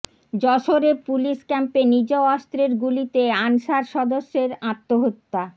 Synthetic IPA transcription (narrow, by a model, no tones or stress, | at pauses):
d͡ʑɔʃoɾepuliʃkɛmpenid͡ʑoɔst̪ɾeɾɡulit̪eanʃaɾʃɔd̪oʃːeɾat̪ːoɦot̪ːa